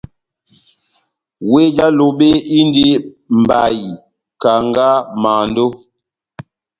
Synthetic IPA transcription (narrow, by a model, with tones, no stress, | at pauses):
we˦d͡ʒa˦lo˨ɓe˦i˦ndi˦ | m˨ba˨ji˨ | ka˨ŋɡa˦ma˨ndo˦